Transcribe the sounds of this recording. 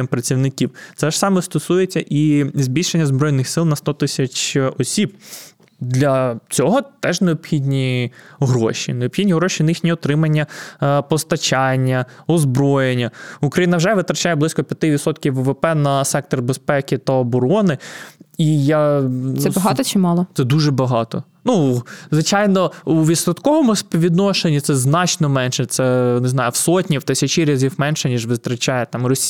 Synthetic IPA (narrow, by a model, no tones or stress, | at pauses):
mpɾɐt͡sʲiwnɪkʲiwt̪sɛʒ̥sɑmɛst̪ɔsujet͡sʲːɐʔizʲbʲilʲʃenʲːɐzbɾɔjnɪxsɪlˠnɐst̪ɔt̪ɪsʲɐt͡ʃɔsʲib̚ | d̪lʲɐt͡sʲɔɦɔt̪ɛʒneɔbxʲid̪ʲnʲiɦɾɔ̰ʃḭneɔbxʲidʲnʲiɦɾɔʃinjixnʲiɔt̪ɾɪmɐnʲːɐpɔst̪ɐt͡ʃɑnʲːɐɔzbɾɔjenʲːɐukɾɐjinɐwʒɛʋɪt̪ɾɐt͡ʃɑjɛblˠɪsʲkɔpʲjɐt̪ɪʋʲit̪sɔt̪kʲiwːʊʋepɛnɐsɛk̚t̪ɔrbespɛkɪt̪ɐɔbɔɾɔnɪijasɛbɐɦɑt̪ɔt͡ʃɪmɑlˠɔt̪sɛd̪uʒɛbɐɦɑt̪ɔ̰ | nuzʋɪt͡ʃɑjnɔuʋʲid̪sɐt̪kɔʋɔmʊspɔʋʲid̪nɔʃenʲːit̪sɛznɑt͡ʃnɔmɛnʃɛt̪sɛnezn̪ɑjʊwsɔtʲnʲiwt̪ɪsʲɐt͡ʃiɾʲɐzʲiwmɛnʃɛnʲiʒʋɪt̪ɾɐt͡ʃɑjɛt̪ɑmrɔsʲ